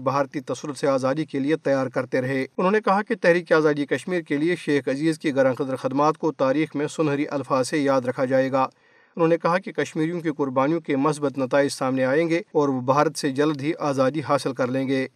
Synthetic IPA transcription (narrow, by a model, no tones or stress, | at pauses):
bʱaːɾt̪it̪ɐsɾʊt̪seaːzaːd̪ikeliet̪ɐjaːɾkɐɾt̪eɾɐɦeːʊnɦõːnekɐɦaket̪ɛɦɾiːkiaːzaːd̪ikɐʃmiːɾkelieʃeːxɐziːzkiɣɐɾãːqɐd̪əɾxɐd̪maːt̪kot̪aːɾiːxmẽsʊnɦəɾiʔɐlfaːzsejaːd̪ɾɐkʰad͡ʒaːeːɡaː | ʊnɦõːnekɐɦakekɐʃmiːɾijõk̬eqʊɾbaːnijõkemʊs̬bət̪nɐt̪aːɪd͡ʒsaːmneaːẽːŋɡeɔːɾobʱaːɾət̪sed͡ʒɐld̪ɦiʔaːzaːd̪iɦaːsɪlkɐɾlẽːɡeː